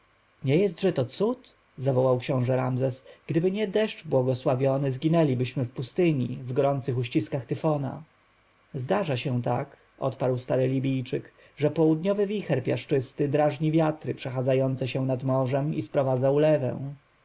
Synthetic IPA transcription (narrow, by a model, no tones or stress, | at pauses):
ɲɛjɛs̬t̪ʐɛt̪ɔt̪sut̪ | zavɔwawkɕɔ̃w̃ʐɛɾamzɛsɡ̥d̪ɘbɘɲɛd̪ɛʂt͡ʂbwɔɡɔswavʲjɔnɘzɡʲinɛlʲibɘɕmɘfpust̪ɘɲḭvɡɔɾɔnt̪sɘxuɕt͡ɕiskaxt̪ɘfɔna̰ | zd̪aʐaɕɛ̃t̪ak | ɔ̰t̪paɾwst̪aɾɘlʲibʲijt͡ʂɘk | ʐɛpɔwud̪ɲɔvɘvʲixɛɾpʲjaʂt͡ʂɘst̪ɘd̪ɾaʐɲivʲjat̪ɾɘpʂɛxad̪zajɔnt̪sɛɕɛ̃nad̪mɔʐɛmispɾɔvad̪zaulɛvɛ̰̃w̃